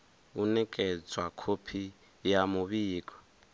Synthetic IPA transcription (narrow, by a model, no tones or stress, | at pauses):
unɛkʼɛd͡zwakʰopʰi | jamuβiːkʼɔ̥